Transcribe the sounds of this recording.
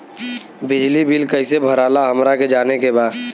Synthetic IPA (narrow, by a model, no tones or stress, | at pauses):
bɪd͡ʒlibilkəɪsebʱəɾaːlaɦəmɾaked͡ʒaːnekebaːd̪